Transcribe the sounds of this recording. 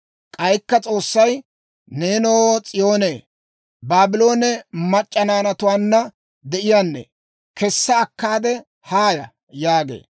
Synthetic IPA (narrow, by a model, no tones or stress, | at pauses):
kʼɐjkːɐt͡sʼo̞ːsːɐj | ne̞ːnoːt͡sʼɪjo̞ːneː | baːbɪlo̞ːnɛmɐt͡ʃʼːɐnaːnɐt̪ʊwaːnːɐ | d̪ɛʔɪjaːnːɛ̰ | kɛsːɐːkːaːd̪ɛ | haːjɐ | jaːɡḛː